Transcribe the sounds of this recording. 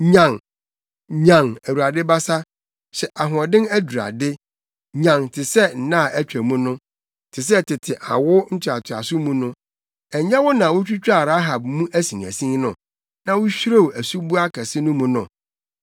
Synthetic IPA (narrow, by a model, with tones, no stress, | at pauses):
ɲã˨ŋ | ɲã˨ŋæ˨wu˨ɾa˨dɪ˦ba˦sa˦ | ɕɛ˨ʔa˨ɦʊ˨ɔ˨dɪ̃˦næ˦du˨ɾa̰˨dɪ˦ | ɲã˨ŋtʰɪ˨sɛ˦n̩˨nã˦˨ʔæ˦t͡ɕᶣæ˨mũ˦nʊ̃˦ | tʰɪ˨s̬ɛ˦tʰɪ˨tʰɪ˨ʔa̰˨wʊ˦ɲ̩˦t͡ɕʰa˨tʰʊ˨a̰˨sʊ˦mũ˦nʊ̃˦ | ɛ˨ɲã˦wʊ˦nã˨wʊ˦t͡ɕᶣu˦t͡ɕᶣa˦˨ɾa˦ɦa˨b̚mũ˦ʔæ˦sĩ˨næ̰˨sĩ˦ŋ˦nʊ̃˨ | nã˦wʊ˦ɕᶣɾo˦˨wæ˨su˦bu˦a˦kʰɛ˨sɪ˦nʊ̃˦mũ˨nʊ̰̃˨